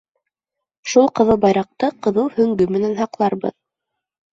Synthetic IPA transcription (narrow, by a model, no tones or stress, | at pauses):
ʃulˠqɤ̆ðɤlˠbɑjɾɑq̚t̪ɤqɤ̆ðɤwhɵ̆ŋɡɵmɘ̆nænɦɑqlˠɑɾbɤ̰ð